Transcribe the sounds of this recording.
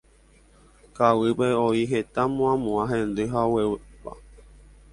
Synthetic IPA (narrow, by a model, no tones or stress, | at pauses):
kawɨpeoiɦet̪amũãmũãɦẽnd̪ɨɦawewepa̰